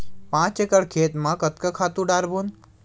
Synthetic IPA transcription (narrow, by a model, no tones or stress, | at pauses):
pãːt͡ʃekəɽkʰeːt̪mãkət̪kakʰat̪ũɖaːɾbun